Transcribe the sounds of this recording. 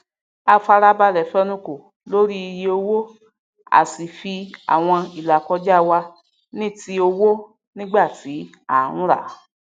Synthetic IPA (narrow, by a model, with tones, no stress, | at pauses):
a˧fa˧ɾa˦ba˧lɛ˨fɛ˧nũ˧ko˨ | lo˦ɾi˦i˧je˧o˧wo˦ | a̰˨si˨fi˧a̰˨w̃ɔ̃˧i˨la˨kɔ˧˦d͡ʒa˦˨wa˧ | nĩ˦˨ti˧˦o˧wo˦ | nĩ˦ɡ͡ba˦˨ti˨˦ | a˨ũ˦ɾa̰˦˨